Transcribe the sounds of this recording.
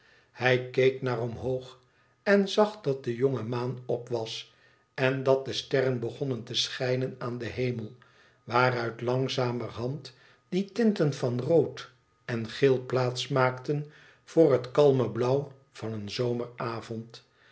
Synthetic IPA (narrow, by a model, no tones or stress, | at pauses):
hɛjkejknaːrɔmɦowχ | ɛnzɑχdɑt̚dəjoŋəmaːnɔpʋɑs | ɛndɑt̚dəstɛrənbəχɔnəntəsχɛjnənaːndəɦejməlˠ | ʋaːrœɥtlɑŋzaːmərɦɑnt | d̥itɪntənvɑnrowt | ɛnχɪlˠplaːtsmaːktən | v̥ʊːrɦətkɑlˠməblʌw | v̥ɑnənzowməɹaːvɔnt